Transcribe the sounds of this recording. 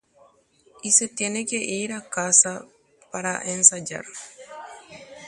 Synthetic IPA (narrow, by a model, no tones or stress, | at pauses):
iset̪jenekeʔiɾakasa | paɾaʔensad͡ʒa̰ɾ